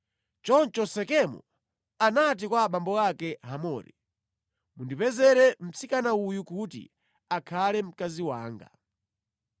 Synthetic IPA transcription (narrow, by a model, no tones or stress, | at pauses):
t͡ʃɔnt͡ʃɔsɛkɛmɔ̰ | anat̬ikwaɓambɔakɛɦamɔːɾḭ | mundipɛzɛɾɛm̩t͡sikanaujukutḭ | akʰalɛm̩kaziwa̰ːŋɡa̰